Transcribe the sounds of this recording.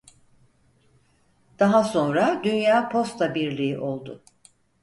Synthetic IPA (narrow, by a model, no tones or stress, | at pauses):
d̪̥aɦaso̞nɾad̪ynjaːpʰo̞st̪lˠabiɾlʲiiʔo̞lˠd̪ʊ̰